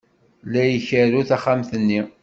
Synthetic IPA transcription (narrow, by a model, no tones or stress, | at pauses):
læjəçəɾuθæχamθənːi